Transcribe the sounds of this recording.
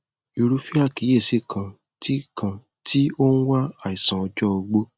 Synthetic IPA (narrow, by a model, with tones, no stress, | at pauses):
i˧ɾu˦fi˦a˦˨ki˨˦je˦˨se˦˨kʰã˧ | ti˦kʰã˧ | ti˦o˦ñ̩˦wa˦a˦˨i˨sã˨ɔ˧d͡ʒɔ˦o˧ɡ͡bo˦